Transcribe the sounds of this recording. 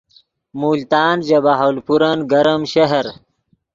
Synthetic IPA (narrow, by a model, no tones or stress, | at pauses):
muːlt̪aːnd͡ʑɐbaɦolpuɾɐnɡɐɾɐmɕɐɦɐɾ